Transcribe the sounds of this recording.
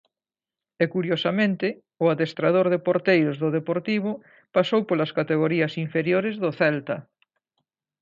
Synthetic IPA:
ɛkuɾjosamẽnt̪ɪ | ʊaðest̪ɾaðoɾðepoɾt̪ejɾʊzðʊðepoɾt̪iβʊ | pasowpolɐskat̪eɣoɾiɐsiɱfeɾjoɾɪzðʊθɛlt̪ɐ

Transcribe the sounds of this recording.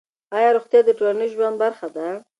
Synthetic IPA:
ɑjɑɾoxt̪jɑd̪əʈolanəjʒwand̪̚baɾxad̪a

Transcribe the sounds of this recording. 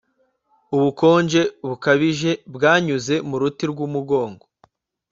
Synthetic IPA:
uβuko̞ːɲd͡ʒe̞βukaβiʒe̞bɡaːɲuze̞muɾutiɾɡumuɡo̞ːŋɡo

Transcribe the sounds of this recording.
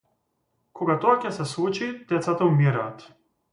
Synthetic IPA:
kʰɔɡat̪ɔacɛsɛslˠut͡ʃid̪̥ɛt̪sat̪aumiɾaːt̪

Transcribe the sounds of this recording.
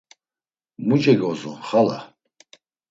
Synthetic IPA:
mud͡ʒɛɡɔzɔχala̰

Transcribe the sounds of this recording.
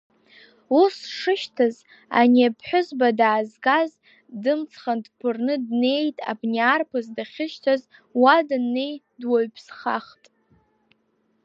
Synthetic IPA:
usʂɨʃtʰaz | a̰niapʰħʷᶣʊzbadaːzɡaz | dɨmt͡sʰχandpʰɨrnɨdne̞jtʼa̰bniaːrpʰɨzdaχʲɪʃtʰaz | wadnːe̞j | dwaɥpʰsχaχtʼ

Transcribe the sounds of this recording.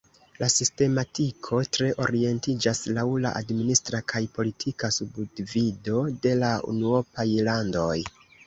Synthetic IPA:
lasiste̞matikʰo̞tɾe̞ʔo̞̰ɾie̞ntid͡ʒaslawla̰ʔa̰dministɾakʰajpo̞litʰikasubudvido̞de̞laṵnuo̞pajlando̞j

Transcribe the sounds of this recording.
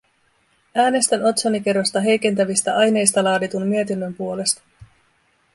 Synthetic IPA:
æːne̞st̪æno̞t̪sonike̞ɾo̞st̪ɑɦe̞jke̞nt̪æʋist̪æʔɑjne̞jst̪ɑlɑːdit̪ummye̞t̪inːø̞mpuo̞le̞st̪ɑ̥

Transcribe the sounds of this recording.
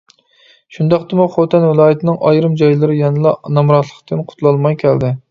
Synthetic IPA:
ʃund̪ɑqd̪ɨmuχot̪ʰɛnvɪlˠɑːjɪt̪ʰɪnɪŋʔɑjɾɨmd͡ʒɑjlˠɨɾɨjɑnɨlˠɑnɑmɾɑt̪ʰlˠəqt̪ɨnqʰʊ̥t̪ʰlˠɑlˠmɑjkʲʰæld̪ɪ

